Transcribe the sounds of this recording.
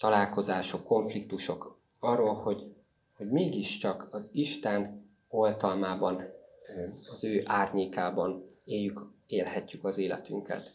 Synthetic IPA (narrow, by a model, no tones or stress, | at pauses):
t̪ɒlaːlko̞zaːʃo̞kːo̞ɱflikt̪uʃo̞k | ɒrːoːlho̞ɟ | ho̞ɟmeːɡiʃt͡ʃɒkɒziʃt̪ɛn | o̞lt̪ɒlmaːbɒn | ɒzøːʔaːrɲeːkaːbɒneːjːykeːlhɛcːykɒzeːlɛ̰t̪yŋkɛ̰t̪